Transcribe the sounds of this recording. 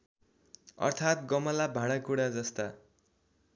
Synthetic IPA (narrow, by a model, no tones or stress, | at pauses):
ʌ̰rt̪ʰat̪̚ɡʌmʌlabʱãɽ̃ʌkuɽad͡zʌst̪a